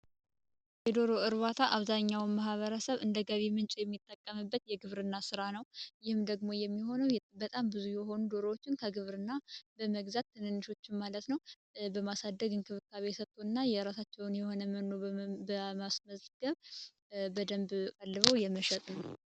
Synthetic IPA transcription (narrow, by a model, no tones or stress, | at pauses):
jɛd̪o̞ɾo̞ɨɾβat̪ʰaʔaβzaɲːawnmahβəɾəsəβɨnd̪əɡəβemɨnt͡ʃʼjɛmːit̪ʼːəkʼːəmɨbːət̪jɛɡɨβɾɨnːasɨɾanəwjɪhɨmd̪əɡmo̞jɛmːiho̞nəwbət̪ʼambɨzujɛɦo̞nud̪o̞ɾowot͡ʃːɪnkʰəɡɨβɾɨnːabəməɡzat̪ʰːɨnɨnːɨʃo̞t͡ʃːɪnmalət̪nəw | bəmasad̪ːəɡɨnkʰɨβɨkːaβesət̪ʼʰːoɨnːajɛɾasat͡ʃːɛwnjɛho̞nəənːo̞bəmasməzɡ̥əβ | bəd̪əmbkʼalːɨβəwjɛməʃɛt̪ʼnəw